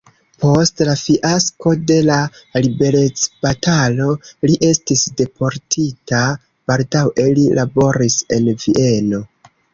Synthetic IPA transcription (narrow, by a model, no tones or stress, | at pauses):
po̞stlafiʔasko̞de̞lalibe̞ɾe̞t͡sb̥atʰalo̞liʔe̞stisde̞pʰo̞ɾtʰita | b̥aldawelilʔabo̞ɾise̞nviʔe̞no̞